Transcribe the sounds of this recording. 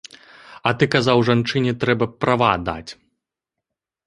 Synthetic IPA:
ɐt̪ɨkazawʐant͡ʂɨnʲɛt̪ɾɛbɐpɾavad̪a̰t͡sʲ

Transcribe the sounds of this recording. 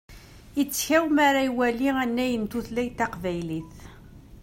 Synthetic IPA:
it͡sːçæwmaɾajwæliænːæjənt̪uθlæjt̪ːɑqvæjliθ

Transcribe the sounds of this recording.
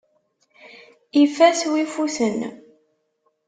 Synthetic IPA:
ifæswifuθən

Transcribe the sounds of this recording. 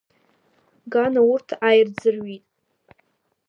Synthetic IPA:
ɡanaurtʰajrd͡zɨrɥitʼ

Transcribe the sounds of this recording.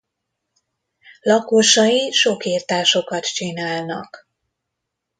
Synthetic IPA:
lɒkoʃɒjiʃokiːrt̪aːʃo̞kɒt̪t͡ʃinaːlnɒ̰k

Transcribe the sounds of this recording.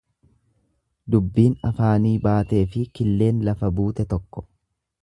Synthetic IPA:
d̪ʊbːiːnɐfaːniːbaːt̪e̞ːfɪkɪlːe̞ːnlɐfɐbuːt̪ɛt̪ɔkːɔ̥

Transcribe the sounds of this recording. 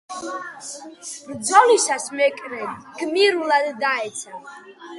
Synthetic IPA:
ɾd̪zɔlisasmɛkʼɾɛnɡ̥miɾulad̪ːaɛt̪sʰa

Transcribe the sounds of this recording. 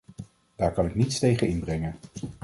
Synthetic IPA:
d̥aːɹkɑnɪknitstejχənɪnbrɛŋən

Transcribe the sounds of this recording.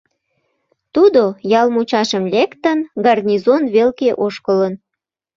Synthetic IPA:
t̪ud̪ojɑlmut͡ɕɑʃəmlekt̪ənɡɑrnʲizonβelkeʔoʃkələn

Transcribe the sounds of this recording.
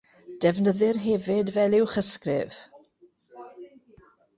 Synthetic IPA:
d̥ɛvnəðɪrɦɛvɪdvɛlˠɪwχəskrɪ̰v̥

